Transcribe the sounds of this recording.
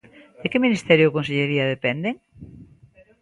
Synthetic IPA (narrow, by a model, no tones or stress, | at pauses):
d̪̥ekɪminist̪ɛɾjokons̬eʎeɾiɐð̞epɛnd̪eŋ